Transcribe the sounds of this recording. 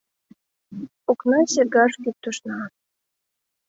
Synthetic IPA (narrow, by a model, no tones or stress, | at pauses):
oknɑt͡ɕeɡɑʃkyp̚t̪ːoʃnɑ